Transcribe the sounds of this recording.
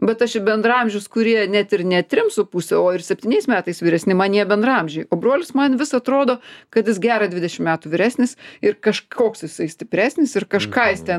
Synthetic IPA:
bʲɛt̪ɐʃbʲɛnd̪rɐmʲʒʲʊskʊɾʲiɛnʲɛt̪ɪrnʲɛt̪ʲɾʲɪmsʊpuːsʲɛoːɪrsʲɛpʲt̪ʲiːnʲɛɪsmʲæːt̪ɐɪsʋʲɪɾʲɛsʲnʲɪmɐnʲiɛbʲɛnd̪ɾɐɐmʲʒʲɛɪoːbɾoɔlʲɪsmɐnʋʲɪsɐt̪ɾoːd̪oːkɐt̪jɪsɡʲæːɾɐd̪ʲʋʲɪd̪ʲɛʃʲɪmmʲæːt̪uʋʲɪɾʲæːsʲnʲɪsɪɾkɐʃʰoːksjɪsɐɪsʲt̪ʲɪpʲɾʲæːsʲnʲɪsɪrkɐʃkɑːjɪst̪ʲɛ

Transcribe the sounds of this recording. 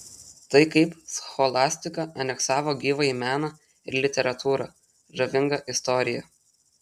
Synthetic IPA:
t̪ɐɪkɐɪpsxɔlˠɑːsʲt̪ʲɪkɐʔɐnʲɛksɑːʋoːɡʲiːʋɐimʲæːnɐ | ɪɾlʲɪt̪ʲɛɾɐt̪uːɾɐ | ʒɐʋʲɪŋɡɐʔɪst̪ɔɾʲɪjɛ

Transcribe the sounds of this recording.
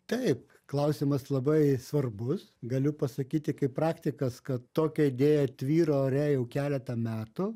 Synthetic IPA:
t̪ɐɪp | klˠɐʊsʲɪmɐslˠɐbɐɪsʋɐrbʊsɡɐlʲʊpɐsɐkʲiːt̪ʲɪkɐɪppɾɑːkt̪ʲɪkɐskɐt̪toːkʲɛɪd̪ʲeːjɛt̪ʲʋʲiːɾoːɾʲɛjɛʊkʲæːlʲɛt̪ɐmʲæːt̪ʊ

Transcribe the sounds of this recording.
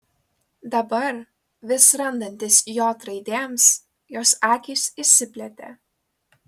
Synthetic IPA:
d̪ɐbɐɾ | ʋʲɪsɾɐnd̪ɐnʲt̪ʲɪsjoːt̪ɾɐɪd̪ʲeːms | joːsɑːkʲiːsisʲɪpʲlʲɛt̪ʲḛː

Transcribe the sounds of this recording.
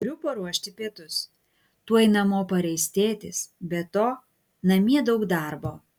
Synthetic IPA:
ɾʲʊpɐɾuɔʃʲt̪ʲɪpʲiɛt̪ʊs | t̪uɔɛɪnɐmoːpɐɾʲɛɪsʲt̪ʲeːt̪ʲɪsbʲɛt̪oː | nɐmʲiɛd̪ɒʊkd̪ɑɾboː

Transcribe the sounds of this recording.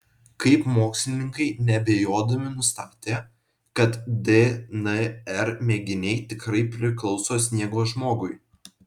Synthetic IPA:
kɐɪpmoːksʲlʲɪnʲɪŋkɐɪnʲɛbʲeːjoːd̪ɐmʲɪnʊst̪ɑːt̪ʲeː | kɐt̪d̪ʲenɛɛɾmʲeːɡʲɪnʲɛɪt̪ʲɪkɾɐɪpʲɾʲɪklˠɒʊsoːsʲnʲiɛɡoːʒmoːɡʊɪ

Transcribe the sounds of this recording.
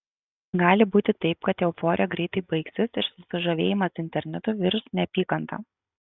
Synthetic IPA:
ɡɑːlʲɪbuːt̪ʲɪt̪ɐɪp̚kɐt̪jʲɛʊfɔːɾʲɪjɛɡɾʲɛɪt̪ɐɪbɐɪksʲɪsɪʃsʊsʲɪʒɐʋʲeːjɪmɐsɪnʲt̪ʲɛɾʲnʲɛt̪ʊʋʲɪɾsnʲɛpʲiːkɐnt̪ɑ̰ː

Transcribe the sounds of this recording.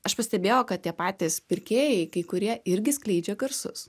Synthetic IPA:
ɐʃpɐsʲt̪ʲɛbʲeːjɛʊkɐt̪̚tʲiɛpɑːt̪ʲespʲɪɾʲkʲeːjɛɪkɐɪkʊɾʲiɛɪɾʲɡʲɪsklʲɛɪd͡ʒʲɛɡɐɾsʊ̰s

